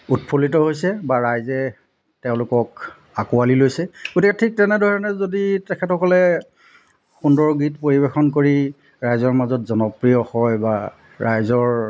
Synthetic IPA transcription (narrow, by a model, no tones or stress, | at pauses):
utpʰolitɔɦojsɛbaɹajzɛ | tɛʊ̃lʊkɔk | akualilojsɛɡ̥otikɛtʰik̚tɛnɛdʱɔɹɔnɛzoditɛkʰɛtxɔkɔlɛ | xundɔɹɡitpoɹibexɔnkoɹi | ɹajzɔɹmazɔtzɔnɔpɹiɔhɔjba | ɹajzɔɹ